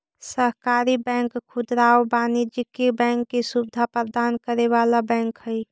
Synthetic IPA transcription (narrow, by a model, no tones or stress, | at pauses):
səɦkaːɾibɛ̃ŋkkʰːʊd̪ɾaːobaːnid͡ʒikibɛ̃ːŋkːisubɪd̪ʱapəɾd̪aːnkəɾeʋaːlabɛ̃ːŋkhəi